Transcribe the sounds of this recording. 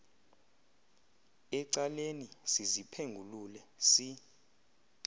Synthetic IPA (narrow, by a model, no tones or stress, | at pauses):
ɛǀalenisizipʰeŋɡʱululɛsi